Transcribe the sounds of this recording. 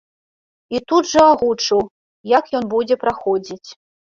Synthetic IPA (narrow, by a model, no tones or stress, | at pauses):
it̪ud̪ʐɐaɣut͡ʂɨw | jakjɔnbud͡zʲɛpɾaxɔd͡zʲit͡sʲ